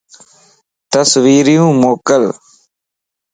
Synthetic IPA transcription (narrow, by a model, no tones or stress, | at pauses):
t̪əsʋiːɾijũːmoːkəl